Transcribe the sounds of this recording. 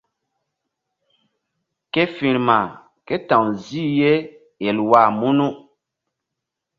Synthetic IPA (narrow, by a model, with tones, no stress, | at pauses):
ke˦fĩ˨ɾma˨ | ke˦tã˨wzi˦je˦ | e˨lwa˦˨mu˦nu˦